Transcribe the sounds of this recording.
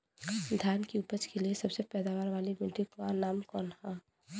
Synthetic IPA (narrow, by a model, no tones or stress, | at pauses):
d̪ʱjaːnkiʊpət͡ʃkeliesɐbsepɛːd̪aːʋaːɾʋaːlibɪʈikwanaːmkɔːnhã